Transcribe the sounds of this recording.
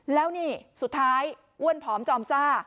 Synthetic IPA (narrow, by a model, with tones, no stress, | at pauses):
lɛː˦˥wniː˥˩su˨˩t̪ʰːaː˦˥j | ʔu˥˩ənpʰɔː˩˦mt͡ɕɔː˧msaː˥˩